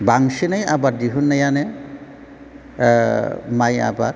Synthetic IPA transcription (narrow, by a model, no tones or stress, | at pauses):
baŋsinajabatdiɦunːajanɛ | maja̰ba̰